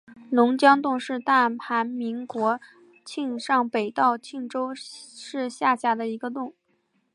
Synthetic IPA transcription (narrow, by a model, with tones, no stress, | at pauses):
lʊ˧˥ŋt͡ɕjɑ˥ŋt̪ʊ˥˧ŋʂɻ̩˥˧t̪a˥˩pʰa˧˥nmi˧˥ŋkwɔ˧˥ | t͡ɕʰi˥˧ŋʂɑ˥˩ŋpe˨˩ɪt̪ɑ˥˧ʊt͡ɕʰi˥˩ŋʈ͡ʂo˥ʊʂɻ̩˥˧ɕja˥˧ɕja˥˩d̪ə˧i˧˥ɡə˧t̪ʊ˥˩ŋ